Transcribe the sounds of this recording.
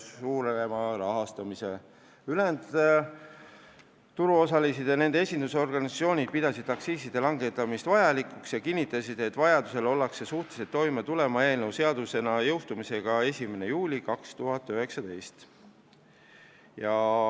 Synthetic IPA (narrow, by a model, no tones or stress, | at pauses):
uːɾemɑɾɑɦɑst̪ɑmise̞ | yle̞nd̪ | t̪ːuɾuo̞sɑlisid̪̥jɑne̞nd̪eesʲind̪̥uso̞rɡ̥ɑnʲisioːnʲid̪̥̚pid̪̥ɑsid̪̥ɑksiːsid̪̥e̞lɑŋɡe̞t̪ːˑɑmist̪vɑjɑlikuksjɑkinʲːit̪ːˑɑsid̪̥e̞t̪ːˑvɑjɑd̪use̞lo̞lːɑksesuht̪ˑe̥set̪ːo̞jmet̪ule̞mɑe̞ːlnewse̞ɑd̪̥use̞nɑjɤwst̪umise̞ɡ̥ɑe̞sʲime̞ne̞juːlʲikɑkst̪uɦɑt̪ːˑyɦe̞ksɑd̪e̞jst̪ | jɑ